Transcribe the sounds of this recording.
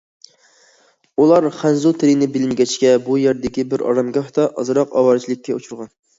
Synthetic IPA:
ulˠɑɾχænzut̪ʰeɾɪnɪbɪlɪnɡʲɛt͡ʃkʲɛbujeɾd̪ɪkʲibɪɾɑ̰ɾɑmɡʲɑht̪ɑʔɑ̰zɨɾɑqɑ̰wɑɾt͡ʃʰilˠɪkʲːɛut͡ʃʰuɾʁɑn

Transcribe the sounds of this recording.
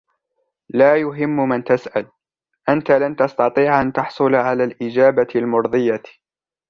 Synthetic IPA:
laːjʊɦɪmːmant̪asʔal | ʔant̪alant̪ɑst̪ɑt̪ˤiːʕʔant̪ɑħsˤʊlʕalaːlʔɪd͡ʒaːbalmʊɾðˤɨja

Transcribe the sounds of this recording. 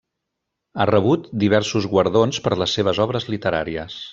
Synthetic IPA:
arəβ̞ut̪̚d̪iβ̞ɛɾsuzɣwəɾðonspəɾləsːeβ̞əzɔβɾəzlit̪əɾa̰ɾiəs

